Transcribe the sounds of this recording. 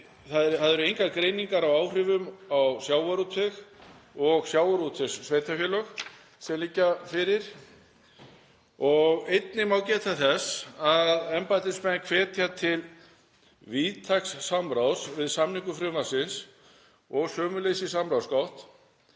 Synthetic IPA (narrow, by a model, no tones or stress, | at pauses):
θaðɛɾθaðɛɾʏejŋkakɾeːjniŋkaɾawaːwr̥ʏvʏmawsjaːwvaɾut̪ʰʏxɔɣsjaːwaɾut̪ʰʏsːveːjt̪ʰafjɛlœx | sɛmlicːafɪɾɪɾ̥ | ɔɣejt̪nɪmawcɛːt̪ʰaθɛsaðɛmpajt̪ɪspɛnkʰv̥ɛːt̪ʰjat̪ʰɪl | viːt̪ʰaksːamɾawsvɪðsamniŋkʏfɾʏːmasɪns | ɔɣsœːmʏlejsisamɾawskawht̪